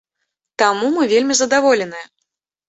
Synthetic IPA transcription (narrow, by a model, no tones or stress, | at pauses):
t̪amumɨvʲelʲmʲizɐd̪avɔlʲɛnɨjɛ